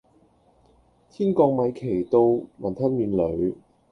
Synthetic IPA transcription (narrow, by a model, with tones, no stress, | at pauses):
t̪ʰiː˥nkɔː˧ŋ̚mɐ˨˧jkʰe˨˩jt̪o˧wmɐ˨˩nt̪ʰɐ˥nmyː˨˧nlɵ˨˧ɥ